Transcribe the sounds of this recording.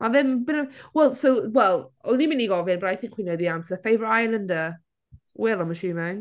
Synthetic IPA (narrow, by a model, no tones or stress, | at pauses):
mavɛmbɪnəwɛlˠsowwɛlˠɔnimɪniɡɔvɪnbɔɾajθɪ̃ŋkʰwinəðiamsəfejvajlˠəndə | wɛlˠɔməʃuːmɪŋ